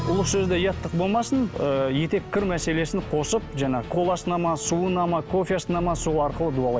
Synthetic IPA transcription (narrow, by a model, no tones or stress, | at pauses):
ʊlˠəqsɵzd̪ejɑt̪ːəq̚bo̞lˠmɑsənəje̞t̪e̞kʲʰːɪɾmæse̞le̞sɪnqʰo̞səp̚ʒɑɴɑkʰo̞lˠɑsənɑmɑsuənɑmɑkʰo̞fʲjasənɑmɑsuɑɾqəlˠəd̪uɑlˠɑj̪